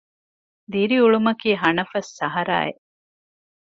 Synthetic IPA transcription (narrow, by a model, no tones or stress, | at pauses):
d̪iɾiuɭumɐkiːɦɐnɐfɐsːɐɦɐɾa̰ːḛʔ